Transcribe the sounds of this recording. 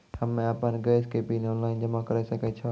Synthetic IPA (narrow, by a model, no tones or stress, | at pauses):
həmẽaːpãːnɡeeskeːpinɔ̃ːnlaːɪnd͡ʒəmãkəɾesəɡʱet͡ʃʰa